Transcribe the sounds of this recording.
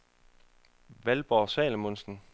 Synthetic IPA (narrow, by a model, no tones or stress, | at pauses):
ʋælb̥ɒːsɛ̰ːləmonsn̩